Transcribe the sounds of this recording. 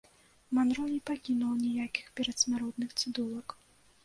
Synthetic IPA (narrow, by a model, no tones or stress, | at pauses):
manɾɔlʲipakʲinuwnʲɛjakʲi̥xpʲɛɾɐt̪sʲmʲaɾɔd̪̚nɨxt̪sɨd̪ulˠɐk